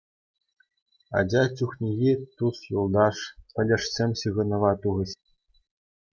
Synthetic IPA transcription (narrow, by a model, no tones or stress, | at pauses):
ɑ̰d͡ʑɑtʲuxnʲiɣʲit̪usjulˠd̪ɑʂpʲɘ̆lʲɘ̆ʂsʲemʲɕɯɣɤ̆nɤ̆ʋɑt̪uʁɘ̆ɕ